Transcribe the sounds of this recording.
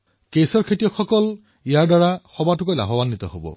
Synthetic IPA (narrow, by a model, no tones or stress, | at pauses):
kesɔɹkʰetijɔkxɔkɔl | ijaɹdaɹaxɔbatʊkojla̰ɦɔbanːit̪ɔ̰hobɔ̰